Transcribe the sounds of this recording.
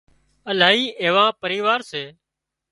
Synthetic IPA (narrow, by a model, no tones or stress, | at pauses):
əlaːiːʔeːʋãːpəɾiːʋaːɾseː